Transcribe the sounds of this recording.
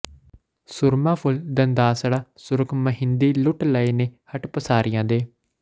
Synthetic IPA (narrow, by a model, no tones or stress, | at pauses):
sʊɾmãːpʰʊld̪ənd̪aːsɽaːsʊɾəkʰməɦɪnd̪iːlʊʈləeːneːhəʈpəsaːɾɪjãːd̪eː